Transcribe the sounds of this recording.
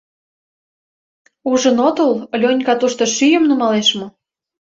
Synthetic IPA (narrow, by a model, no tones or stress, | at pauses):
uʒə̆not̪ollʲonʲkɑt̪uʃt̪ŏʃyjə̆mnumɑleʃmŏ